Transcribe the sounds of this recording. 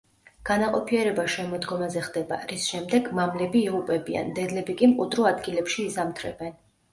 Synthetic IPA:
ɡ̥anaqʼɔpʰiɛɾɛbaʃɛmɔd̪ɡɔmazɛχd̪ɛba̰ɾisʃɛmd̪ɛɡmamlɛbiːʁupʼɛbia̰nd̪ɛd̪lɛbikʼimqʼud̪ɾɔad̪ɡilɛpʃiːzamt̪ʰɾɛbɛn

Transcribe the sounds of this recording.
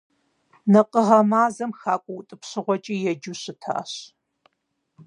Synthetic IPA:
nɐqəʁɐmaːzɐmxaːkʷʼʊwʊtʼɨpɕɪʁʷɔt͡ʃʼiːjɛd͡ʒuɕɨtʰa̰ːɕ

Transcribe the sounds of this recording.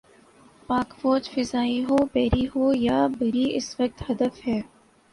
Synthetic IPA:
paːkfoːd͡ʒfɪzaːiɦoːpɛːɾiɦoːjaːbɐɾiɪsʋək̚t̪hɐd̪əfɦɛː

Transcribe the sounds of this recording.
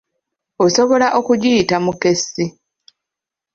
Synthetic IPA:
oso̞βo̞laʔo̞kuɟitamuke̞sːi

